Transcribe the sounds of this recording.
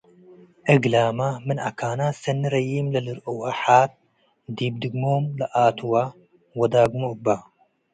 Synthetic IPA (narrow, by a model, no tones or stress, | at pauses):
ʔɨɡlaːmamɨna̰kʰaːnaːsɐnːɨɾɐjiːmlɐlɨɾowaħaːt̪̚ | d̪iːb̚d̪ɨɡmoːmlɐʔaːt̪ʰuwa | wɐd̪aːɡumoba